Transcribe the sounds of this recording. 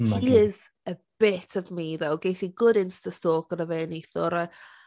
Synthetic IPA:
hiz | əb̥ɪtʰɔvmiðowɡejtiɡʊdɪnstəstoːkənəveːneθʊɾə

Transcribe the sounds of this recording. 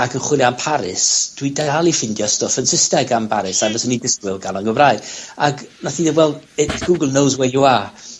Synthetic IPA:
aɡənχwɪlˠjampʰaɾɪ̰sd̥widaalˠifɪndjɔstɔfənsɪstɛɡambaɾɪsavəsənidɪskwɪlˠɡanˠanɡəvraɨdaɡnaθiðəwɛlˠdɛtʰɡ̥uɡəlˠnowzwɛjua

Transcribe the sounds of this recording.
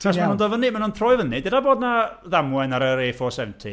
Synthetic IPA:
ɔsanundɔvənimanunθʰrɔːɨvənidedaboːdnaðamwɛnaɾəɾeːfɔsɛvntʰi

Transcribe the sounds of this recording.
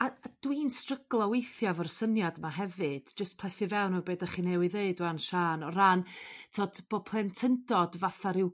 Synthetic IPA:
aad̥wiːnstrəɡlˠɔwejθjavɔrsənjadmaɦɛvɨd̥d͡ʒəstpʰl̥ˠɛθɨvɛwnubeːdaχinɛwiðeɨdanʃaːnɔɾantʰɔːd̥b̥oːpʰlˠɛntʰəndɔdvaθaɾɪw

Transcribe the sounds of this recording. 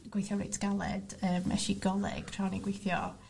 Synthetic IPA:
ɡ̥wejθjɔwrḛjtsɡ̥alˠɛ̰d̥əːmɛ̰ʃiɡɔlˠɪ̰ɡ̥rʰrawniɡwejθjɔ

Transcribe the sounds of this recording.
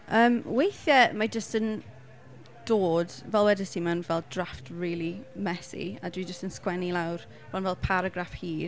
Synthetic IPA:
əːmwejθjəmad͡ʒəstən | d̥oːdvɛlˠwɛdəsimanvɛlˠdraftʰriːlˠimɛsḭa̰dwid͡ʒəstənskwɛnilˠawr | b̥ɔnvɛlˠpʰaɾaɡrafhiː

